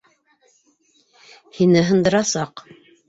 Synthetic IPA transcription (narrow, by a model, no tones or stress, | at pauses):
hinɘɦɤ̆nd̪ɤ̆ɾɑsɑq